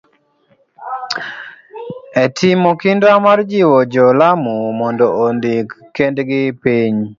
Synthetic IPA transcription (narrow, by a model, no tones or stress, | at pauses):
etʰimɔkɪndamard͡ʒiwɔd͡ʒɔlamumɔndɔondik | kːendɡɪpiɲ